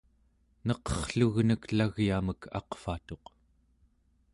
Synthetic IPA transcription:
nʌqʌχɬuɣnəklaɣjaməkʰɑ̰qfat̪o̞q

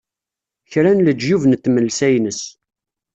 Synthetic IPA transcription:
çɾænləd͡ʒjuvnt̪ːməlsæjnəs

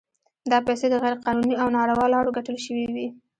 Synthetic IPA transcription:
d̪ɑpajsed̪əɣajɾeqɑnuniawnɑɽawɑlɑɽoɡaʈəlʃəwiwi

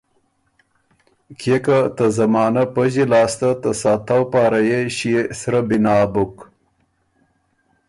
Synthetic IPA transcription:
kʰekat̪ɐzɐmɑːnɐpɐʑilɑːst̪ɐt̪ɐsaːt̪awpaːɾɐjeɕiesɾɐbinaːbuk

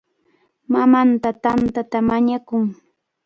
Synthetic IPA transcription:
mamant̪at̪ant̪at̪amaɲakʊŋ

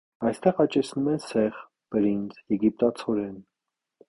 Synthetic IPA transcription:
ɑjst̪ɛʁɑt͡ʃɛt͡sʰnumɛsɛʁ | b̥əɾind͡zjɛɡip̚t̪ɑt͡sʰɔɾɛn

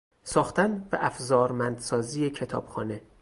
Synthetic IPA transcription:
sɒːxt̪ænbæʔæfzɒːɾmænd̪sɒːziːjecʰe̞t̪ʰɒ̰ːb̥xɒːne̞

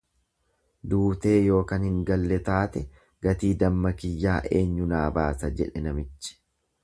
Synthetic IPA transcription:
d̪uːt̪e̞ːjo̞ːkɐnhɪŋɡɐlːɛt̪aːt̪ɛ | ɡ̥ɐt̪iːd̪ɐmːɐkɪjːaːʔeːɲːʊnaːbaːsɐd͡ʒɛᶑɛnɐmɪt͡ʃːɪ̥

